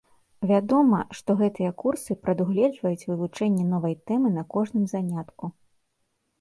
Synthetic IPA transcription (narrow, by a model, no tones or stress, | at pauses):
vʲad̪ɔmɐʂt̪ɔɣɛt̪ɨjɐkursɨpɾɐd̪uɣlʲɛd͡ʐvɐjut͡sʲvɨvut͡ʂɛnʲːɛnɔvɐjt̪ɛmɨnɐkɔʐnɨmzanʲat̪ku